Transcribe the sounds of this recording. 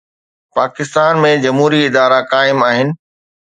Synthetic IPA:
paːkɪst̪aːnmẽd͡ʑɐmɦuːɾiɪd̪aːɾakaːɪmaːɦɪnɪ̆

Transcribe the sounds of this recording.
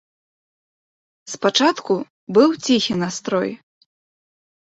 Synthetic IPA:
spat͡ʂat̪ku | bɨwt͡sʲixʲinast̪ɾɔ̰j

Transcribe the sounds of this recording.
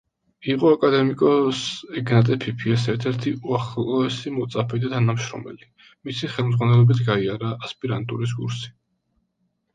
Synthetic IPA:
iqʼɔakʼad̪ɛmikʼɔsɛɡnat̪ʼɛpʰipʰiɛsɛɾt̪ʰɛɾt̪ʰiʔuaχlˠɔɛsimɔt̪sʼapʰɛd̪at̪ʰanamʃɾɔ̰mɛ̰li | misiχɛlˠmd̪zʁwanɛlˠɔbit̪ʰɡaiaɾaːspʼiɾant̪ʼṵɾis̬kʼṵɾsi̥

